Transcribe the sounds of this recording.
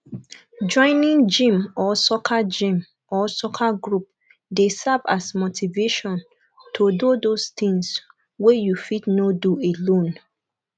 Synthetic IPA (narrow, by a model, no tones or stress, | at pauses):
d͡ʒɔ̃ɪ̃nĩŋd͡ʒĩmɔsɔkʰad͡ʒĩm | ʔɔsɔkʰaɡɹup̚ | desavasmotʰiveʃɔ̃n | tʰododost̪ĩŋs | wejufitnoduelõn